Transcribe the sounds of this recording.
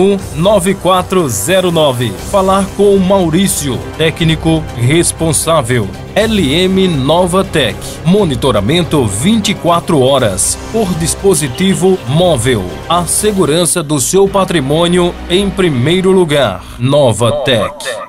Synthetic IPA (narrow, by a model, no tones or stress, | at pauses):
ũ | nɔvɪkwat̪ɾʊzɛɾʊnɔvɪfalaɾkõw̃mawɾisjʊ̰t̪ɛknikʊɦespõsavew | ɛlɪẽmɪnɔvɐt̪ɛk | monit̪oɾa̰mẽnt̪ʊvĩt͡ʃ̪ikwat̪ɾʊɔɾɐ̰spoɾd̪ispozit̪ivʊmɔvew | ɐseɡuɾɐ̃sɐd̪ʊsewpat̪ɾimõniʊẽj̃pɾimejɾʊluɡaɾnɔvɐt̪ɛk